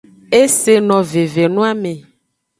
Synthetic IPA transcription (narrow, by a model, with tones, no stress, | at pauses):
e˦se˨nɔ̃˨ve˨ve˨nũ˦a˦mẽ˨